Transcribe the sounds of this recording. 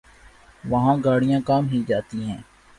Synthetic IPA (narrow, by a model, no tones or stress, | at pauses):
ʋɐɦãːɡaːɽijãːkaːmɦid͡ʒaːt̪iɦɛ̃ː